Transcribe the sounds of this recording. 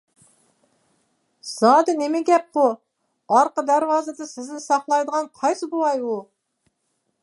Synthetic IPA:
z̥ɑːd̪ɪnɪmɪɡʲɛp̚qu | ɑɾqəd̪æɾwɑːzɨd̪ɨsɪznɪsɑχlˠɑjd̪əʁɑnqʰɑjsɨbolˠɑju

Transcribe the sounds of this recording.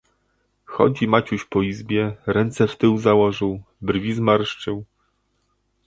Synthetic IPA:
xɔ̰d͡ʑimat͡ɕuɕpɔizbʲjɛɾɛnt̪sɛft̪ɘwzawɔʐɘw | brvʲizmaɾʂt͡ʂɘw

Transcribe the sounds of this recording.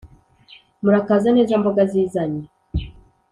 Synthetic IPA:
muɾakaːzaneːzamboɡaziːzaɲe

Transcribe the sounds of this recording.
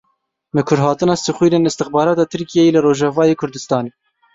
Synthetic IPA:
mɨkʰʊɾɦɑːt̪ɨnɑːsɨxwiːɾeːnɨst̪ɨxbɑːɾɑːt̪ɑːt̪ʰɨɾkijɛjelɨroːʒɑvɑːjeːkʰʊɾd̪ɨst̪ɑːneː

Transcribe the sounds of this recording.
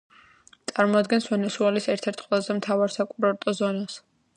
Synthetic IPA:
t̪sʼaɾmɔad̪̚ɡɛnsvɛnɛsuɛlisɛɾt̪ʰɛɾt̪ʰqʼwɛlˠazɛmt̪ʰavaɾsakʼuɾaɾt̪ʼɔzɔnas

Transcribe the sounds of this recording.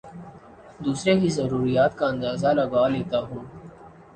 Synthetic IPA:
d̪uːsɾekizɐɾuːɾijaːt̪kaɐ̃nd̪aːzalɐɡaːleːt̪aɦũː

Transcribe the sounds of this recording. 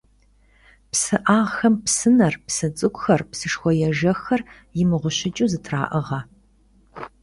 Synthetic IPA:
psɨʔaːʁxɐmpsɨnɐrpsɨt͡sʼɨkʷʼʊxɐrpsɨʂxʷɔjɛʒɐxɐr | jɪmɨʁʷʊɕɪt͡ʃʼuːzɨtʰra̰ːʔɨʁɐ

